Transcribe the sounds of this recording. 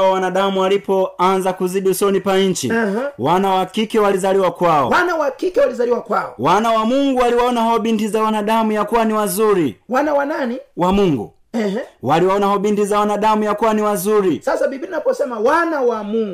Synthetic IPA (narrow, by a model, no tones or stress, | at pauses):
ɔwanaɗamuwalipɔanzakuziɗiusɔnipaɲ̩t͡ʃḭwanawakikɛwalizaliwakwaɔ̰wanawakikɛwalizaliwakwaɔ̰wanawamuŋɡuwaliwaɔnahɔɓintizawanaɗamujakuwaniwazuɾiwanawananiwamuŋɡṵ | ɛhwaliwaɔnahɔɓintizawanaɗamujakuwaniwazuɾisasaɓiɓinapɔsɛmawanawamuŋɡ